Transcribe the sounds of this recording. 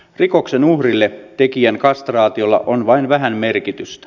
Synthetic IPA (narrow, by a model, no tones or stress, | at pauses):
riko̞kse̞nuhrilːet̪ekiæŋkɑst̪rɑːt̪io̞lːɑ̰ʔonʋɑinʋæɦænme̞rkit̪yst̪æ̥